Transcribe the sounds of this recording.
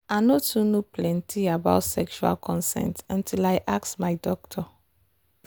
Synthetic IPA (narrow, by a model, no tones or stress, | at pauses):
anotunoplɛ̃ntʰiaba̰ʊtsɛkʃua̰lkʰɔ̃nsɛ̰̃ntãntʰilajʔaksmajdɔk̚tʰɔ